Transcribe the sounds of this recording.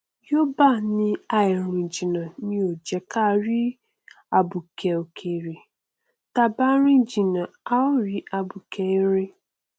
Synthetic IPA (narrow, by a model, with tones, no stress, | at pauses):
jo˦ba˦˨nĩ˦a˨ɪ˨ɾĩ˨d͡ʒi˨na˨nĩ˦o˨d͡ʒɛ˨ka˦˨ɾi˦ | a˨bu˨ke˨o˨kʰe˨ɾi˨ | ta˨ba˦ɾĩ˦d͡ʒi˨na˨a˦ʊ˦ɾi˨a˨bu˨kʰe˨i˦ɾe˦